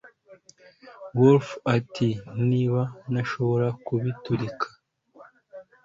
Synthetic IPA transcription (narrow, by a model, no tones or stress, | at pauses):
wolfatʰiniːβanaʃo̞βo̞ɾakuβituɾikʰḁ